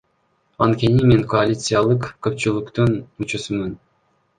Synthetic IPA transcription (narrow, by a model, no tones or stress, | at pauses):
ɑnt̪kʲe̞nimeŋkoalʲit̪sɨjalˠɯqkːøp̚t͡ʃylˠukt̪unut͡ʃusumɯn